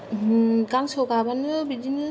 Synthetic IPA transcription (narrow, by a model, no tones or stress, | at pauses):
ɡaŋsɔɡabanɯbid͡ʒinɯ